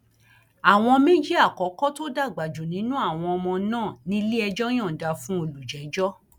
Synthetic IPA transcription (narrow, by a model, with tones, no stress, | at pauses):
a˨w̃ɔ̃˧mĩ˦d͡ʒi˦a˦˨kɔ˨˦kɔ˦to˦da˦˨ɡ͡ba˨d͡ʒu˨nĩ˨˦nũ˦a˦˨w̃ɔ̃˧ɔ˧mɔ̃˧nãː˦˨nĩ˧˦li˦ɛ˧d͡ʒɔ˦j̃ã˦˨da˧fũ˦o˧lu˨d͡ʒɛ˨˦d͡ʒɔ˦